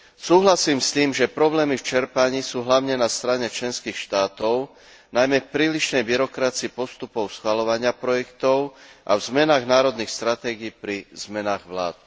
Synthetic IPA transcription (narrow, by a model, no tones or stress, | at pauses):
suːɦlasiːmst̪iːmʒɛpɾɔblɛːmift͡ʃɛɾpaɲiːsuːɦlaʊɲɛnast̪ɾaɲɛt͡ʃlɛnskiːxʃt̪aːt̪ɔʊ | najmɛfpɾiːliʃnɛjbiɾɔkɾat͡siipɔst̪upɔʊsxʋalɔʋaɲɪapɾɔjɛkt̪ɔʊʔa̰vzmɛnaːɣnaːɾɔd̪nixst̪ɾat̪ɛːɡiːpɾizmɛnaːɣʋla̰ːt̪